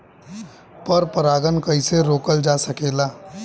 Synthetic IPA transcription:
pəɾpəɾaːɡənkəɪseɾoːkəld͡ʒasəkeːlaː

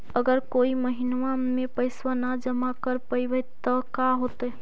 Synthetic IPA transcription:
əɡəɾkoiməɦinʋamepəɪswənad͡ʒəmakəɾpəjbət̪əkaɦot̪ə

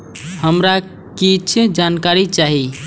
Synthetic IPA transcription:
həmɾa | kit͡ʃʰd͡ʒankaɾit͡ʃaɦi

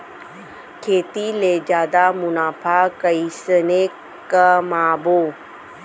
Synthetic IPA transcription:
kʰeːt̪iled͡ʒaːd̪amʊnaːfʰakəisəne | kəmaːboː

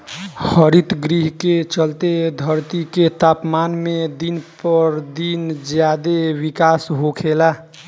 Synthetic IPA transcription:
həɾit̪ɡɾiɦket͡ʃəlt̪ed̪ʱəɾt̪iket̪aːpmanmed̪inpəɾd̪ind͡ʒjad̪ewikasɦokʰela

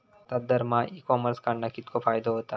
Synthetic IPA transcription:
t̪ɐd̪əɾmãikɔːməɾskaɽnakɪt̪kofaːjd̪oɦoːt̪a

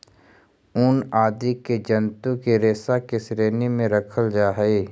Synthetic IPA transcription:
ʊnaːd̪iked͡ʒənt̪ũkeɾeːsakesɾeːnemẽɾəkʰəld͡ʒaːɦeː

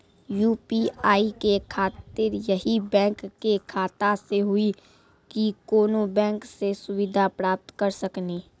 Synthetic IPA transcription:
juːpiaːikekʰaːt̪ɪɾjəɦibɛ̃ːkːekʰaːt̪aseɦʊi | kikoːnobɛ̃ːŋksesʊʋɪd̪ʱapɾaːp̚t̪kəɾsəkniː

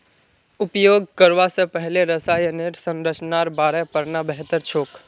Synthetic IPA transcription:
ʊpjoːɡ̚kəɾʋasẽpəɦleɾəsaːjəneɾsə̃ŋɾət͡ʃnaɾbaːɾɛpəɾnabəɦt̪əɾt͡ʃʰoːk

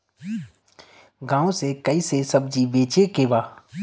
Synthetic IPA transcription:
ɡãːõsekɐisesɐb̚d͡ʒibeːt͡ʃekeʋaː

